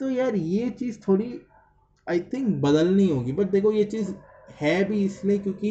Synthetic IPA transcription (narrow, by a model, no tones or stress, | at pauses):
t̪ojaːɾjet͡ʃiːzt̪ʰoːɽi | aːɪt̪ʰɪ̃ŋkbɐd̪əlnĩɦoːɡibɐʈ̚d̪eːkʰojet͡ʃiːz | hɛːbʱiɪsliekjõːki